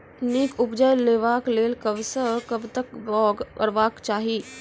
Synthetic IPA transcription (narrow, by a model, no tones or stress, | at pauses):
niːkʊpd͡ʒajleːʋaːkleːlkəʋsəkəbt̪əkbɔːɡkə̰ɾʋaːkt͡ʃaːɦiː